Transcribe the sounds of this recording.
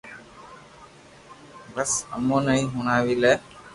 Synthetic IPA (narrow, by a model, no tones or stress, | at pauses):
bəsə̰mõːnəĩːɦʊɳaːʋiːlɛː